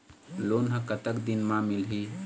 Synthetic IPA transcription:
lonɦə̃kət̪əkd̪inmãmilɦi

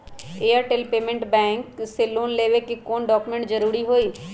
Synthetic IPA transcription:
eːaɾʈeːlpeːmẽɳʈbɛ̃ːŋkseloːnleːʋekikoːnɖɔːkumẽɳʈd͡ʒəɾuːɾiɦoːiː

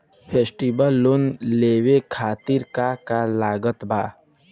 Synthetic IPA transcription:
pʰeːsʈibəlːoːnleːwekʰaːt̪ɪɾkakalaːɡət̪bʱaː

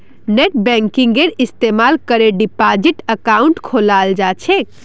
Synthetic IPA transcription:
neʈbɛ̃ŋkiŋɡeɾist̪emalkəɾeɖipad͡ʒiʈəkauɳʈkʰolald͡ʒat͡ʃʰɛk

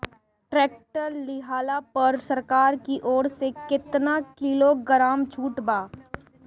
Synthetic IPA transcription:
ʈɾɛːk̚ʈəɾlɪɦaːlapɐɾsɐɾkaːɾkiʔɔːɽsekɪt̪nakɪloɡəɾaːmt͡ʃʰuːʈbaː

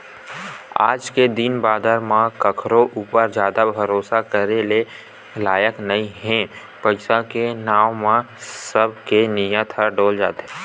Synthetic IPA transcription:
a̰ːd͡ʒked̪inbaːd̪əɾmãkəkʰɾõʔuːpəɾd͡ʒjaːd̪abʱəɾoːsakəɾele | laːjəknɐĩɦɛ̃ | pəɪsakenaːʋmã | səb̚ʱkenɪjãt̪ʰəɾɖoːld͡ʒaːt̪eɦ

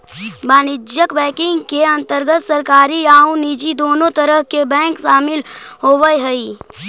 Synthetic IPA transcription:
baːnɪd͡ʒjəkbɛ̃ːkɪ̃ŋɡkeɐ̃nt̪əɾɡət̪səɾkaːɾiaːũniːd͡ʒid̪oːnõt̪əɾəɦkebɛ̃ːŋkʃaːmɪlɦoːwəeɦəi

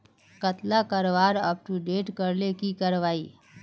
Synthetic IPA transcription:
kət̪lakəɾʋaɾəpʈuɖeːʈkəɾlekikəɾʋaːi

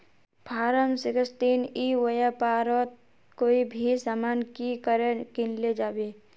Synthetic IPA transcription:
pʰaːɾəmsɪkəst̪iːniwəjapaːɾot̪̚ | koːibʱisamaːnkikəɾekɪnled͡ʒaːbe

